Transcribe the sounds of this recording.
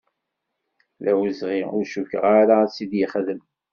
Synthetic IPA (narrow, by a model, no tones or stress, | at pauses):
ðæwəzʁiʊɾʃukə̰ʁaɾasid̪jəχðəm